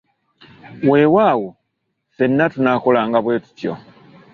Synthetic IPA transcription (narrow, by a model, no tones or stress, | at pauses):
we̞ːwaːwo | senːatunakolaːŋɡaβwe̞ːtu̥tjo̞̰